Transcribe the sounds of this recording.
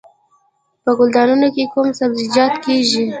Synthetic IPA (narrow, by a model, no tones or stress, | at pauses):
pəɡʊld̪ɑnunokekumsabzɪd͡ʒɑt̪keʒi